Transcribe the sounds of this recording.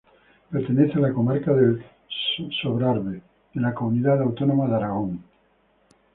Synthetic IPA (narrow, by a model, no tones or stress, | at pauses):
peɾt̪e̞neθealako̞maɾkaðel | soβɾaɾβe | ðelakomuniðaðawt̪onomaðaɾaɣ̞oŋ